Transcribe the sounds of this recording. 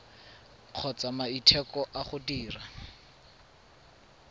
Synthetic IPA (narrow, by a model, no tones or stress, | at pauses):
q͡χʰɔt͡samaitʰɛkɔʔaχʊdiːra